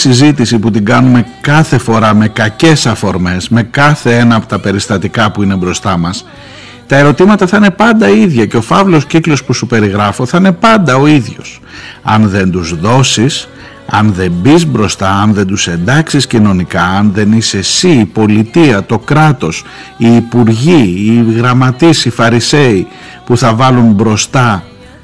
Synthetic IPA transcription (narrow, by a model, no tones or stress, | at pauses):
sizit̪isiput̪iɡɐnume̞kɐθe̞fo̞ɾɐme̞kɐce̞sɐfo̞ɾme̞zme̞kɐθe̞enɐːpo̥t̪ɐpe̞ɾist̪ɐt̪ikɐpuine̞bɾo̞st̪ɐmɐs | t̪ɐe̞ɾo̞t̪imɐt̪ɐθɐine̞pɐnd̪ɐiðʝɐce̞o̞fɐvlo̞sciklo̞spusupe̞ɾiɣɾɐfo̞θɐine̞pɐnd̪ɐo̞iðʝo̞s | ɐnðe̞nd̪uzðo̞sis | ɐnðe̞mbizbɾo̞st̪ɐɐnðe̞nd̪use̞nd̪ɐksiscino̞nikɐːnðe̞nise̞siːpo̞lit̪iɐt̪o̞kɾɐt̪o̞s | iːpuɾʝiːɣɾɐmɐt̪isifɐɾise̞i | puθɐvɐlumbɾo̞st̪ɐ